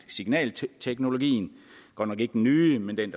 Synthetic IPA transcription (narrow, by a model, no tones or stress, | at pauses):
siɡ̥nɛ̰ːlt͡sʰeɡ̥no̝lo̝ɡ̥ḭːn̩ɡ̥ɒ̰ːnɒ̽ɡ̥e̝ɡ̥əd̥enːyːmend̥end̥